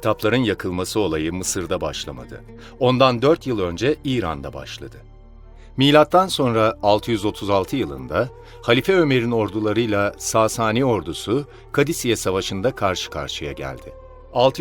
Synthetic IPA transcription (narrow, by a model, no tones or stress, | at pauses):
t̪ʰaplˠaɾɯnjakʰɯlˠmasɯo̞lˠajɯmɯsɯɾd̪abaʃlˠama̰d̪ɯ̰ | o̞nd̪and̪øɾt̪jɯlˠø̞nd͡ʒɛiːɾa̰nd̪aba̰ʃlˠa̰d̪ɯ | miːlʲat̪ːanso̞nɾaːlˠt̪ʰɯjyzo̞t̪ʰuzalˠt̪ʰɯjɯlˠɯ̰nd̪a | halʲifɛø̞me̞ɾino̞ɾd̪ulˠaɾɯjlˠasaːsaːnio̞ɾd̪usu | kʰad̪isijɛsavaʃɯnd̪akʰaɾʃɯ̥kʰa̰ɾʃɯjaɟæ̰lʲd̪ɪ | alˠt̪ʰ